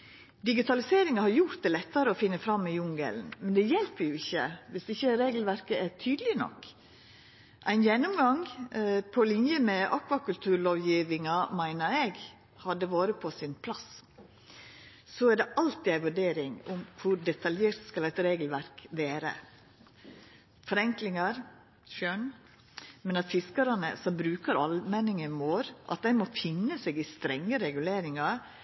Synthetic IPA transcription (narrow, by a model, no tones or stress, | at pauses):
d̪ɪɡɪt̪ʰɑlɪseːɾɪŋɑhɑɾjʊɾt̪̚d̪ɛlɛt̪ːɑɾəɔfɪnːəfɾɑmːɪjʊŋɡə̰lnmɛnd̪ɛjɛlpəɾjʊɪçːə̰ʋɪsɪçəɾeːɡəlʋæɾkəʔæɾt̪ʰyːd̪əlɪnɔ̰kː | ʔæɪnjɛnːʊmɡɑŋpʰɔlɪnjəmɛʔɑkʋɑkʉlt̪ʰʉːɾɭoːʋjiːʋɪŋɑmæɪnəɾɛɡ | hɑd̪ːəʋoːɾəpʰɔsɪnpʰlɑs | sɔæɖɛʔɑlt̪ɪæɪʋʉɖeːɾɪŋʊmkʰʊɾɖɛt̪ʰɑljeːɾt̪skɑlæɪt̪ɾeːɡəl̩ʋæɾkʋeːɾə̰ | fɔɾɛŋklɪŋɑɾ | ʃœn | mɛnɑt̪fɪskəɾɑnə̰sɔmbɾʉːkəɾɑlmɛːnɪŋəmoːɾʔɑ̰t̪̚d̪æɪmɔfɪnːəseːɡɪst̪ɾɛŋːəɾɛɡʉleːɾɪŋɑɾ